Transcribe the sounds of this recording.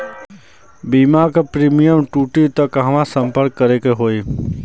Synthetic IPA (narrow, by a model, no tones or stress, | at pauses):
biːmakapɾiːmijəmʈuːʈit̪əkɦɐmãsə̃mpəɾkːəɾekeɦoːi